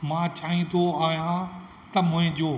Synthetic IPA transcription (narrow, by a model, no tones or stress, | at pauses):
mãːt͡ɕaːĩd̪oaːɦijã | t̪ɐmʊ̃ɦɪ̃d͡ʑoː